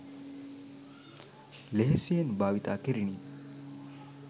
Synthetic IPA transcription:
leɦesijenbaːʋit̪aːkeɾini

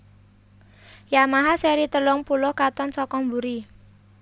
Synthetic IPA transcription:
jamaɦaseɾit̪əlʊŋpulʊhkat̪ɔnsɔkɔŋmbuɾi

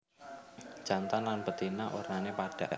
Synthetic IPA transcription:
d͡ʒ̥ant̪anlanpət̪inaʔo̰rnanepaɖ̥a̤̰

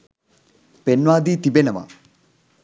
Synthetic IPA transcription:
penʋaːd̪iːt̪ibenəʋɐ̰

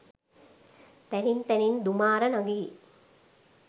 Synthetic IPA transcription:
t̪ænint̪ɛnind̪umaːɾənaɡi

